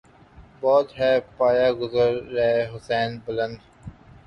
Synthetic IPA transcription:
bɔːt̪ɦɛːpaːjaɡʊzəɾːɐɦeɦʊsɛːnbʊlə̃nd̪

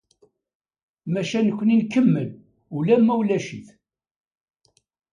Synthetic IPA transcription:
mæʃænəkʷːəninkːəmːəl | ulæmːæwlæʃiθ

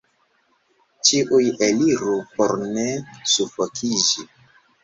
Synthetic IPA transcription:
t͡ʃiʔujeliɾupoɾnesufokʰid͡ʒi

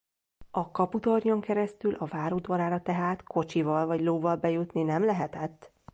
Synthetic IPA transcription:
ɒkɒput̪orɲoŋkɛɾɛst̪ylʔɒvaːɾoːd̪ʋɒɾaːɾɒt̪ɛɦaːt̪kʰo̞t͡ʃivɒlvɒɟloːvɒlbɛjut̪ninɛmlɛɦɛt̪ɛt̪ː

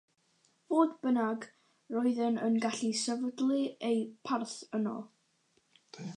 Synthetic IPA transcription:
v̥oːdbənaɡ | rɔɨðənənɡaɬisəvədlˠiejpʰarθənɔ̰lˠ

